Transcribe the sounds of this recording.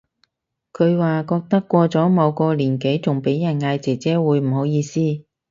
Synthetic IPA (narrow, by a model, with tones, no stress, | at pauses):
kʰɵ˨˧ɥwaː˨kɔː˧k̚t̪ɐ˥kːʷɔː˧t͡sɔː˨˥mɐ˨˧wkɔː˧liː˨˩nke˨˥jt͡sʊ˨˩ŋpe˨˥jːɐ˨˩nŋaː˧jt͡sɛː˨˩t͡sɛː˨˥wuː˨˥jm̩˨˩ho˨˧˥wjiː˧siː˥